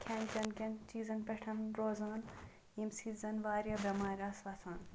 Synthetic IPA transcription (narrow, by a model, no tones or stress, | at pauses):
kʲʰenkʲɐnkɐnt͡ʃiːzɐnpeʈʰɐnɾoːzaːn | imsiːzɐnʋaːɾjɐbɐmaːɾʲaːsʋɐsʰaːn